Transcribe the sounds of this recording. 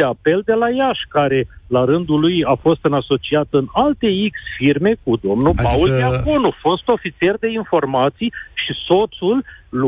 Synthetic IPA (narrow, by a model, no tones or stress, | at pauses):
eape̞ld̪e̞lajaʃkaɾe̞laɾɨnd̪ulujafo̞st̪ɨnaso̞t͡ʃiat̪ɨnalt̪e̞iksfirme̞kud̪o̞mnupauleakonufo̞st̪o̞fit̪sie̞rd̪e̞info̞rmat̪sijʃiso̞t̪sulː